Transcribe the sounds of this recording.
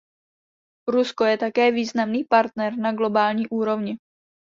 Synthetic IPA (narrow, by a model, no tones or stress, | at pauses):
ɾusko̞jɛt̪akɛːviːznamniːpaɾt̪nɛɾnaɡlo̞baːlɲiːʔuːɾo̞vɲɪ